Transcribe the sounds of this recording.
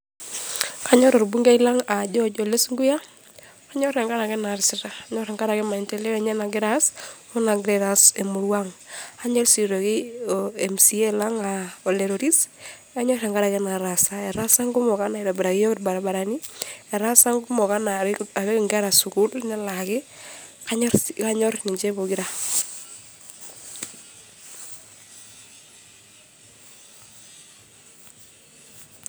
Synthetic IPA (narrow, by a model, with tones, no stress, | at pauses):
kʰa˨˦ɲɔ˦ɾɔ˨ɾbu˦ŋɡe˦i˦la˦ŋa˨d͡ʒɔ˦d͡ʒɔ˨le˦sŋɡu˦ja˦ | a˦ɲɔ˦ɾɛ˨ŋɡa˦ɾa˨kɛ˦na˨ɾsɪ˦ɾa˨a˨˦ɲɔ˦ɾɛ˨ŋɡa˦ɾa˨kɛ˦ma˨i˨ntɛ˦le˦kɛ˨ɲɛ˦na˨ɡɪ˦ɾa˦smu˦na˨ɡɾɛ˦ɾa˨se˨mu˨ɾwa˦ŋa˦ɲɛ˦lsi˨ɾo˨kɪ˦ɛ˨msi˦ɛ˦la˦ŋaɔ˨le˨ɾo˨ɾi˦s | a˦ɲɔ˦ɾɛ˨ŋɡa˦ɾa˨kɛ˦na˨ɾa˨sa˦ɛ˨ɾa˦sa˦ŋɡʊ˦mɔ˨ka˦na˨i˨ɾa˨ba˨ɾa˨ɡɪ˦jɔ˦ktba˨ɾa˨ba˨ɾa˨ni˦ɛ˨ɾa˦sa˦ŋɡʊ˦mɔ˨ka˦na˨a˨ɾɛ˦kŋɡa˦ɾa˨su˨ɡu˦lnɛ˦la˨kɪ˦ka˦ɲɔ˦ka˦ɲɔ˦ɾni˨d͡ʒɛ˦bo˨ɡi˦ɾa˦